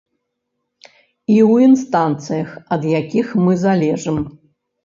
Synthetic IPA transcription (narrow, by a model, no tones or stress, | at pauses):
iwinst̪ant̪sɨjɐxɐd̪jakʲixmɨzalʲɛʐɨm